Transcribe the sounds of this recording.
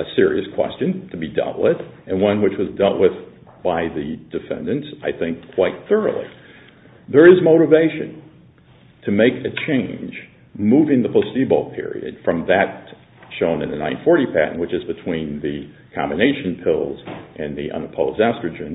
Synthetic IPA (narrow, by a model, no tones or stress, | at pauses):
ɨsɪɹḭɨskʰw̥ɛ̰st͡ʃɨ̃ntʰɨbidɛ̰lˠʔwɪðɨ̃nwʌ̃nwɨt͡ʃwʌzdɛlˠʔ̚wɪð | b̥aɪðɨd̥ɨfɛ̰̃ndɨ̃ntsaɪθɪ̃ŋkʰw̥aɪt̪̚θɜ˞oʊl̩ˠḭ | ðə˞ɨzmoʊɾɨveɪʃɨ̰̃n | tʰɨmeɪkʰɨt͡ʃʰẽɪ̃nʒ | muvɪ̃ŋðəpʰoʊstibolˠpʰɪ̰ɹḭɨ̰d̥fɹʌ̃mðɨt̚ | ʃõʊ̃nɨ̃nðɨnãɪ̃nfɔɹɾipʰæ̰ʔn̩wɨt͡ʃɨzbɨtʰw̥ĩnðɨ | kʰɑ̰̃mbɨneɪʃɨ̃n̩pʰɪlˠzʔɨ̃nðiʔʌ̰̃nəpʰoʊzdæstɹ̥ɨd͡ʒɨ̃n